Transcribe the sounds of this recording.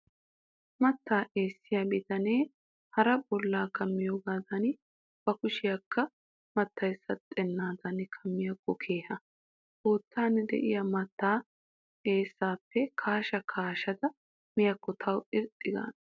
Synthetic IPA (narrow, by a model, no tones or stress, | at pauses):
mɐt̪ːaːʔeːsːɪjabɪt̪ɐneː | hɐɾɐbɔlːaːkɐmːɪjoːɡaːd̪ɐn | b̥ɐkʊʃɪjɐkʰːɐ | mɐt̪ːɐjsːɐt̪ʼɛnːaːd̪ɐnɪkʰɐmːɪjɐkːɔkʰe̞ːhɐ | oːt̪ːaːnɛd̪ɛ̰ʔɪjɐmɐt̪ːaː | e̞ːsːaːpːɛkʰaːʃɐkʰaːʃɐd̪ɐ | mɪjɐkːɔt̪ʰɐwɪɾt̪ʼːɪɡa̰ːn